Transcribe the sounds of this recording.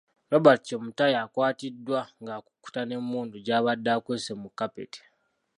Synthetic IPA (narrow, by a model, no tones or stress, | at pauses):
ɾabacːomutajaːkwaːtidːwaŋɡaːku̥kːu̥tane̞mːuːnduɟaːβadːaːkweːsemukːapḛte̥